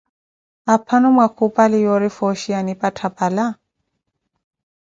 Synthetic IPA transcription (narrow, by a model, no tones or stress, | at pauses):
apʰanɔmwakʰupʼalɪjɔɾɪfɔʃianipʼatʰapʼala